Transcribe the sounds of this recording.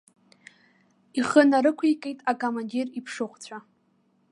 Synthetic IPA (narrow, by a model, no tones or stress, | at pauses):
iχənaɾɨkʷʰikʼejtʼakʼomandiripʰʂɨχʷt͡sʷʰa